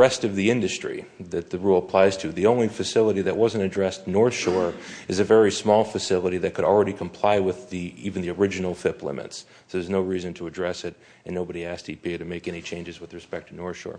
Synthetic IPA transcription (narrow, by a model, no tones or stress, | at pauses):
ɹɛstʌvðiɪ̃ndɨstɹ̥ḭðɨt̪̚ðɨɹulˠəpʰl̥aɪz̥tʰɨðiõʊ̃nlifɨsɪlˠəɾiðɨʔ̚wʌzɨ̃ntɨdɹɛsnɔɹʃɔɹɨzɨvɛɹismɔlˠfɨsɪlˠəɾiðɨt̚kʰɨɾl̩ˠɹɛɾikʰm̩pʰl̥aɪwɨðiiṽn̩ðiə˞ɪd͡ʒɨnl̩ˠfɪplɪ̰̃mɨ̰ts | oʊðə˞znoʊɹizɨ̃ntʰəːdɹɛsɨɾ | ɨ̃nːoʊbəɾiæstʰipʰiɾɨmeɪkɛnit͡ʃʰẽɪ̃nd͡ʒɨzwəðɹɨspɛk̚tʰɨnɔɹʃɔ̰ɹ